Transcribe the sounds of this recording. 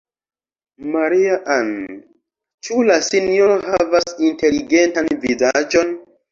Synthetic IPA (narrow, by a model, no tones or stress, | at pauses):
maɾiaʔan | t͡ʃulasinjoɾoɦavasinte̞liɡe̞ntanvizad͡ʒo̞n